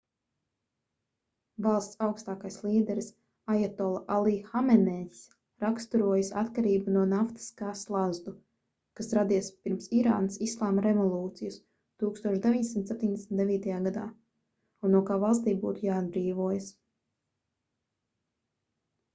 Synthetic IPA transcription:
valˠst̪sawkst̪aːkajslˠiːd̪ɛɾs | ajat̪ɔlˠʔalˠiːxamɛnɛs | ɾakst̪uɾuɔjasat̪kaɾiːbunuɔnaft̪i̥skaːslˠazd̪u | kasɾad̪iɛspiɾmsiɾa̰ːnəsislˠaːmaɾevɔlˠuːt̪sijus | t̪uːkst̪uɔʃd̪evʲiɲd̪ʲesʲimt̪sept̪ʲiɲd̪ʲesm̩nt̪d̪eviːt̪ajaːɡad̪a̰ː | unːuɔkaːvalˠst̪iːbṵːt̪ujaːd̪̚bɾiːvuɔjas

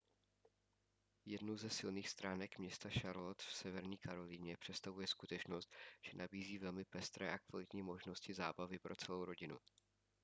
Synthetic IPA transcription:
jɛdnuzɛsɪlniːxst̪ɾʔaːnɛkmɲɛst̪aʃaɾlot̪fsɛvɛɾɲiːkaɾo̞liɲɛpr̥ɛt̪st̪avujɛskut̪ɛt͡ʃno̞st̪ʒ̥ɛnʔabiːziːvɛlmɪpɛst̪ɾɛ̰ːʔakvalɪt̪ɲiːmo̞ʒno̞scɪza̰ːbavɪpɾʔo̞t͡sɛlowɾo̞ɟɪnṵ

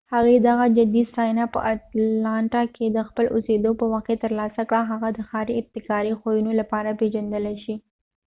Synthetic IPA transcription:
haɣwid̪aɣad͡ʒɪd̪isɑjnapə̰ʔat̪lɑɳʈɑkʰed̪əxpəlosed̪opəwaqket̪əɾlɑsakɽaɦaɣad̪əxɑɾiɪb̚t̪ɪkɑɾixojunolapɑɾapeʒand̪əlaʃi

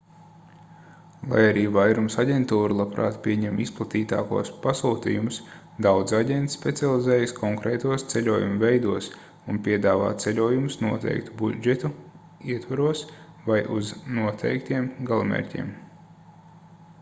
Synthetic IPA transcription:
lˠa̰jaɾiːvajɾumsaɟʲent̪uːɾulˠapɾa̰ːt̪pʲiɛɲɛmisplˠat̪iːt̪a̰ːkṵɔspasuːt̪ḭːjumʊs | d̪awd̪zaɟʲɛnt̪spʲet̪sialˠizɛːjskʰɔŋkɾɛːt̪uɔst̪selʲuɔjumvɛjd̪uɔs | unpʲiɛd̪aːva̰ːt̪t̪selʲuɔjumʊsnuɔt̪ɛ̰jk̚t̪ubud͡ʒet̪u | iɛt̪vaɾuɔs | vajʔṵznuɔt̪ʰɛ̰jk̚t̪iɛmɡalˠumḛɾʲcʲḭːm

